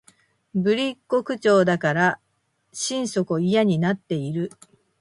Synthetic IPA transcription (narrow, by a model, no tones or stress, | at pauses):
bɯ̟ɾʲikːo̞kɯ̟t͡ɕo̞ːd̪akaɾa | ɕĩɰ̃so̞koijaɲ̟inat̪ːe̞iɾɯ̟